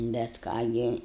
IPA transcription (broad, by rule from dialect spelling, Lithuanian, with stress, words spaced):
bʲɛt ˈkɑː ɡʲɪ